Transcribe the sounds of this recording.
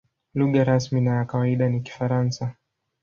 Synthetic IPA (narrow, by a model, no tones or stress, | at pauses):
luɠaɾasminajakawaiɗaniki̥faɾansa